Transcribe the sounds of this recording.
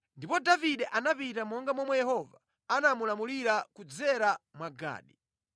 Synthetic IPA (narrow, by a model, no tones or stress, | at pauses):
ndipɔdaviɗɛʔanapitamɔŋɡamɔmwajɛhɔva | anamulamuliɾakud͡zɛɾamwaɡa̰ːɗi